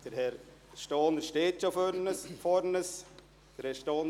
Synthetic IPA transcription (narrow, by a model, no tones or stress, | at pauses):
d̥əɾhɛɾ | ʃtoːnʃteːtʃoføɾnəfɔɾnəs | d̥əɾhɛɾʃtoːn